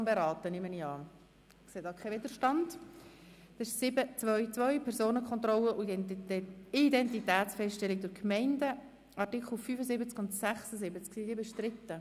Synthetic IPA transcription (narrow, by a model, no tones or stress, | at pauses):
mbɛɾɑːt̪ənɪmːəniɑː | kseːdɑkʰɛvɪd̪əɾʃtɑnd | d̥ɪʃsɪbət͡sʋœʏt͡svʋœʏpʰɛɾsoːnəkχɔnt̪rɔləʔ | idɛntitɛːt͡sfɛsttɛlɪɡ̚d̪ʊɾkʰmɛɪndə | ɑrtɪkχl̩ˠfyːfəzɪbət͡skʊndsæχsəzɪbət͡sksidiːbɪʃt̪ɾɪtːə